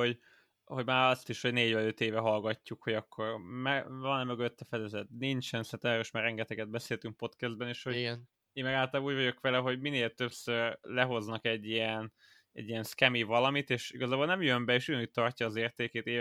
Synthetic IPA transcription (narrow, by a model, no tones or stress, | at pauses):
ho̞ɟ | ho̞ɟmaːɾɒst̪iʃho̞ɟneːɟvɛløt̪eːvɛɦɒlɡɒcːukho̞ɟɒkʰːo̞rmɛvɒnɛmøɡøt̪ːɛfɛd̪ɛzɛt̪̚nint͡ʃɛnsint̪ɛmɛɾiʃmaːrɛŋɡɛt̪ɛɡɛd̪̚bɛseːlt̪yŋk̚po̞t̪kɛzd̪bɛneːʃhoɟ | eːmmɛɡaːlt̪ɒlaːbuːɟvɒɟo̞kʋɛlɛɦo̞ɟmineːlt̪øpsørlɛɦo̞znɒkɛɟːiɛn | ɛ̰ɟːiɛnskɛmivɒlɒmit̪eːʃḭɡɒzaːbolnɛmjømbɛeːʃuɟɒnuːct̚t̪ːɒrcɒːzeːrt̪eːkeːt̪eː